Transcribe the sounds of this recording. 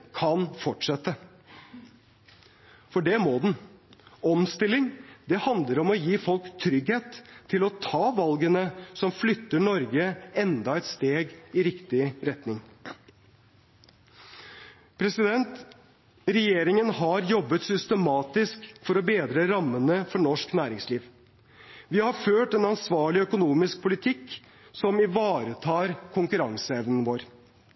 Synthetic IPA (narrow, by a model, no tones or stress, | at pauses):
kʰɑnfɔʈʂɛt̪ːə | fɔɖɛmoːd̪ɛn | ɔmst̪ɪlːɪŋd̪ɛhɑnd̪ləɾɔmɔjiːfɔlkt̪ʰɾʏɡheːt̪ʰːɪlɔt̪ʰɑːʋɑlɡənəsɔmflʏt̪ːəɳɔɾɡəɛnd̪ɑɛt̪st̪eːɡɪɾɪkt̪ɪɾɛt̪nɪŋ | pʰɾɛsɪd̪ɛnt̪ | ɾɛjeːɾɪŋənhɑɾjɔbːət̪sʏst̪əmɑːt̪ɪskfɔɾɔbeːd̪ɾəɾɑmːənəfɔɳɔʂknæːɾɪŋsliːʋ | ʋɪhɑɾføːʈɛnɑnsʋɑːɭɪœkʊnuːmɪsk̚pʰʊlɪt̪ʰɪkː | sɔmɪʋɑːɾət̪ʰɑːɾkʰʊŋkʉɾɑŋsəɛʋnən̩ʋoːɾ